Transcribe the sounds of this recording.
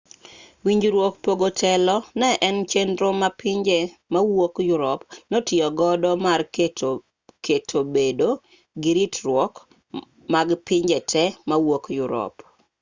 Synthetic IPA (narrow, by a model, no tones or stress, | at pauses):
wiɲd͡ʒɾwokpoɡotʰɛlɔnɛʔɛnt͡ʃendɾomapɪɲd͡ʒemawokjʊɾɔpnotjɪɔɡɔdɔmar | ketʰobedo | ɡɪɾitɾwɔk | maɡpɪɲd͡ʒɛtʰɛmawokjʊɾɔ̰p